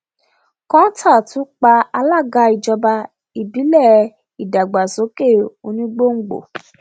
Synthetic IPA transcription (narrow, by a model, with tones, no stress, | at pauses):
kã˦tʰa˦˨tũ˨˦k͡pa˧a˧la˦˨ɡa˨˧i˨d͡ʒɔ˧ba˧ | i˨bi˨˦lɛ˦˨ | i˨da˨ɡ͡ba˨so˨˦ke˦˨o˧nĩ˦ɡ͡bo˦ŋ̩˨ɡ͡bo̰˨